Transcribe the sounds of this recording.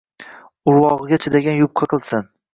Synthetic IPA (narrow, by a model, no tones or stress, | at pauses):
ʊɾwɒʁɨɡʲat͡ʃʰɪd̪aɡʲanjʊp̚qʰɑqʰɨlˠsɪn